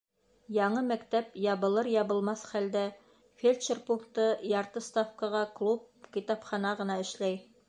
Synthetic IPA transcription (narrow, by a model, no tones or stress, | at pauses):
jɑɴɤmækt̪æpjɑbɤ̆lˠɤɾjɑbɤ̆lˠmɑsχæld̪æ | fʲelʲt͡ʃerpuŋkt̪ɤjɑɾt̪ɤst̪afkəʁɑklˠup̚kʲit̪ɑpχɑnɑʁɤ̆nɑɘ̆ʃlæj